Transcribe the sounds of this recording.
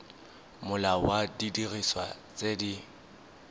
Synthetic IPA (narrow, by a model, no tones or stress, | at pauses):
mʊlawadidiriswat͡sʼedi